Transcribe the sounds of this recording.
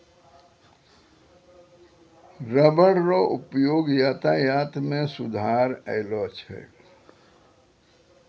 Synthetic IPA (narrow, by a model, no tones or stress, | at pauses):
ɾəbəɽɾoʔʊpjoːɡjaːt̪ajaːt̪mẽsʊd̪ʱaːɾɛ̰lɔt͡ʃʰɛ̰ː